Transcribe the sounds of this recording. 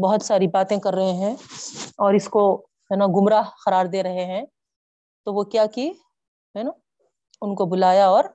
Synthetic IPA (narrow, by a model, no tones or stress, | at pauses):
bɐɦʊt̪saːɾibaːt̪ẽkɐɾːɐɦeɦɛ̃ɔːɾɪsko | ɦɛːnaɡʊmɾaɦxɐɾaːɾd̪eːɾɐɦeɦɛ̃ | t̪oʋokjaːki | ɦɛno | ʊnkobʊlaːjaɔːɾ